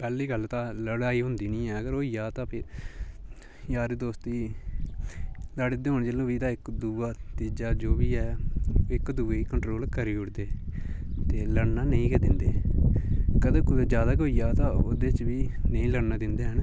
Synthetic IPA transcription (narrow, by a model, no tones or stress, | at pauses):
pɛːliːɡəlːt̪ãːləɽaːiːɦʊ̃nd̪iːnĩːɛːəɡəɾoːiːjaːt̪ãːpʰɪɾ | jaːɾed̪oːst̪iː | ləɽd̪eːɦoɳd͡ʒelõːʋiːd̪aːɪkd̪uːʋaːt̪iːd͡ʒaːd͡ʒoːʋiːɛːɪkd̪uːʋeːiːkəɳʈɾoːlkəɾiːʊɽd̪eː | t̪eːləɽnaːnəĩːkɛːd̪ɪnd̪eː | kəd̪ə̃ːkʊːd͡ʒjaːd̪aːkoːijaːt̪ãːoːd̪eːt͡ʃʋiːnəĩːləɽnaːd̪ɪnd̪eːɦən